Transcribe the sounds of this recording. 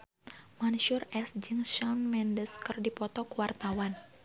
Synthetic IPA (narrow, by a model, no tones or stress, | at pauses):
manʃurɛsd͡ʒɨŋʃanmɛndəskɨrdipɔt̪ɔkuwart̪awan